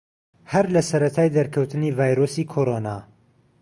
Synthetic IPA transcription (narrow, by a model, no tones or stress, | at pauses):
hɐɾlɐsɐɾɐt̪ʰaːjd̪ɐɾkʰɐwt̪ʰɨniːvaːjɾoːsiːkʰoɾona̰